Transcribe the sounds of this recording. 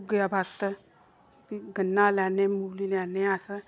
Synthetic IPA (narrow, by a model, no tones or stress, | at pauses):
ɡjabʱaɾt̪ə | piɡənːalanemulilaneasə